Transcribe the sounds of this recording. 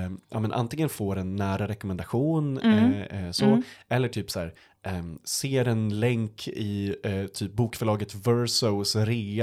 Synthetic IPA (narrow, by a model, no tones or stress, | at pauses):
ʔa̰ːmɛnʔa̰nt̪ɪŋənfoːɾɛnːæːɾaɾɛkɔmɛnd̪aɧuːn | sɔɛlːəʈʰyːpsæ̰ːɾ | seːɾɛnlɛŋkʰɪt̪ʰyːp̚buːkfœɭɑːɡət̪vœɾsɔsɾe